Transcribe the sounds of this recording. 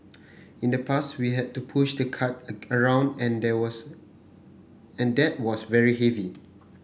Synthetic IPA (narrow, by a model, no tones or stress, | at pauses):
ĩndəpʰaswiɦɛd̚tupʰuʃdəkʰat̚əɹãʊ̃ndɛ̃ndɛws | ɛ̃ndɛt̚wɔsvɛɹiɦɛvi